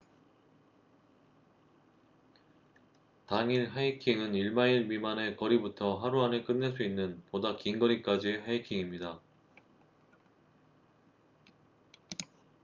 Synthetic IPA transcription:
taŋiɭɦaikʰiŋɯniɭmaiɭmimane̞kʌɾibutʰʌɦaɾuɦanɯɭk͈ɯnːe̞ɭs̬͈ʰuinːɯnpodakiŋɡʌɾik͈ad͡ʑieɦaikʰiŋimɲida

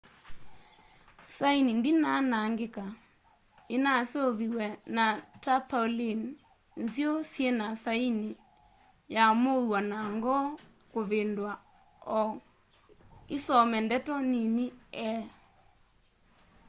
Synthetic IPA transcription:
sainindinanaŋɡeka | enaseoβiwɛnatapalin | nzjiosjɛnasaini | jamowanaŋɡɔ | koβendwa | ɔ | isɔmɛndɛtɔniniɛ

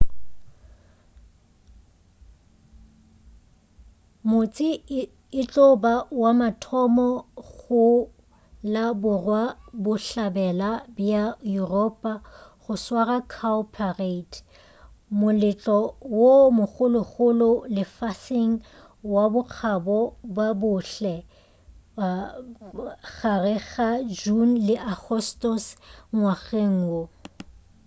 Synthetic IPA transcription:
mʊt͡sʼɪ | ɪt͡ɬʼʊbawamatʰɔmɔɣʊ | labʊrwabʊɬabɛlabiajuropʼaχʊswarakʰaʊpʰaret | mʊlɪt͡ɬʼɔwomʊχʊlʊχʊlʊlɪfasɪŋ̩ | wabʊq͡χʰabɔbabʊɬɛ | ɣarɪɣad͡ʒun̩lɪʔaχʰɔstɔsŋwaɣeŋ̩wo

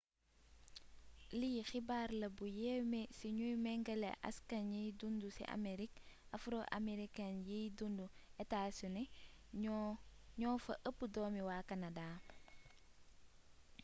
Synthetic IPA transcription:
lijxibaːɾlɐbujɛmesiɲujmɛŋɡɐlḛʔa̰skanjijdundusḭʔa̰meɾikafɾoʔa̰meɾikanjijdunduɛtaːsunɛ | ɲɔːfɐʔəpːudɔːmiwaːkanadaː

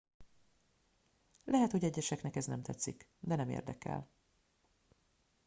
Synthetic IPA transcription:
lʔɛɦɛt̪hoɟɛɟːɛʃɛknɛkɛznɛmt̪ʰɛt̪sːikd̪ɛnɛmḛːrd̪ɛkɛ̰l

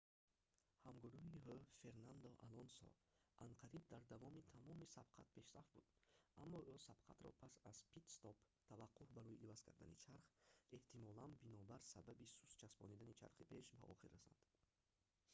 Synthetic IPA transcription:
hamɡuɾuhihøfe̞ɾnand̪ɔʔa̰lɔnsɔ̰ | ʔaɴqʰaɾib̚d̪aɾd̪avɔmit̪ʰamɔmisabqʰa̰t̪̚pʰe̞ʃɾafbud̪amːɔʔusab̥qʰa̰t̪ɾɔ̰pʰasaz̥pit̪st̪ɔp | t̪ʰavaqʰːuhbaɾɔjiʔːvaz̥kʰa̰ɾd̪a̰nḭt͡ʃʰaɾχe̞ht̪imɔlanbinɔbaɾsababisust͡ʃʰasbɔnid̪anit͡ʃʰa̰ɾχipʰe̞ʃba̰ʔɔ̰χiɾːasɔ̰nd̪̥

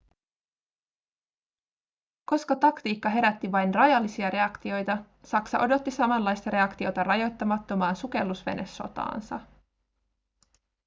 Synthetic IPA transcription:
ko̞skɑt̪ɑkt̪iːkːɑɦe̞ɾæt̪ːiʋɑjnrɑjɑlːisiɑɾe̞ɑkt̪io̞jt̪ɑ | sɑksɑ̰ʔo̞do̞t̪ːisɑmɑnlːɑjst̪ɑɾe̞ɑkt̪io̞t̪ɑrɑjo̞jt̪ːɑmɑt̪ːo̞mɑːnsuke̞lːusʋe̞̰ne̞̰sːo̞̰t̪ɑ̰ːnsɑ̰

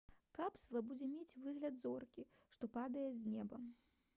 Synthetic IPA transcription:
kapslˠɐbud͡zʲɛmʲet͡sʲvɨɣlʲɐd̪zɔrkʲiʂt̪ɔpad̪ɐjɛzʲnʲɛbɐ

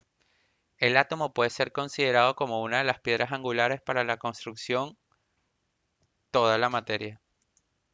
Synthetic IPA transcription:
e̞lat̪o̞mo̞pwe̞ðese̞ɾko̞nsið̞e̞ɾaðo̞ko̞mo̞unaðe̞laspje̞ðɾasaŋɡulaɾe̞spaɾalako̞nst̪ɾuksjo̞n | t̪o̞ð̞alamat̪e̞ɾja

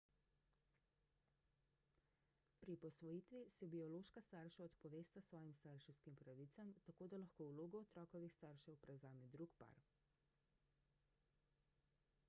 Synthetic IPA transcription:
pɾipɔsʋɔjiːt̪ʋisɛbiɔloːʃkast̪aɾʃaɔt̪pɔʋeːst̪asʋɔːjimst̪aɾʃɛwskimpɾaʋit̪samt̪akoːd̪alaxkoːwloːɡɔɔt̪ɾɔːkɔʋixst̪aɾʃɛwpɾɛwzaːmid̪ɾukpa̰ɾ

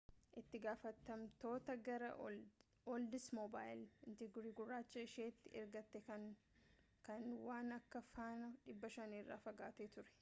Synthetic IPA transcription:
ʔɪt̪ːɪɡaːfɐt̪ːɐmt̪o̞ːt̪ɐɡɐɾɐ̰ | ɔld̪ɪsmobaːjɪlɪnt̪ɪɡɾiːɡʊrːaːt͡ʃːɐɪʃeːt̪ːɪʔɛɾɡɐt̪ːɛkɐ | kɐnwaːnɐkːɐfaːnɐᶑɪbːɐʃɐniːrːa̰ːfɐɡaːt̪eːt̪ʊɾɛ̥

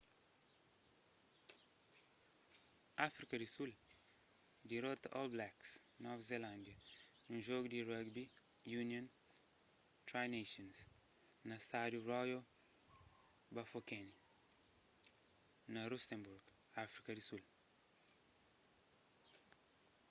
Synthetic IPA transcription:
afɾikɐd̪isul | d̪iɾot̪ɐʔolblaks | nɔvzelãnd̪jɐnũʒoɡud̪irəɡbi | junjõn | t̪ɾajneʃɔ̃ns | nɐst̪ad̪jurɔjo | bɐfokɛni | nɐɾust̪ẽmbuɾɡ | afɾikɐd̪isul

